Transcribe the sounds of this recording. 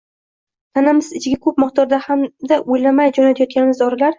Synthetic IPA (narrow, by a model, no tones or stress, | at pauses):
t̪ʰanɪmɪzɪt͡ʃʰɪɡʲakʰɵp̚mɨqd̪ɒɾd̪ahamd̪aʔojlamajd͡ʒɒnat̪ʰajɒt̪̚kʲanɪmɪzɒɾalaɾ